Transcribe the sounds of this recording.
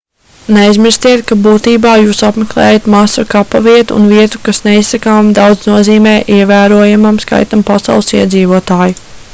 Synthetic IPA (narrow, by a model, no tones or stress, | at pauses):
nejzmiɾst̪iɛt̪kabuːt̪iːbaːjuːsapmeklˠeɛ̰ːjat̪masɐkapaviɛt̪ṵːnviɛt̪u̥kasneissakaːmd̪awd̪znuɔziːmɛːʔiɛvæːɾuɔjamamska̰jt̪ampasɑ̰wlˠsiɛd̪ziːvuɔt̪aːju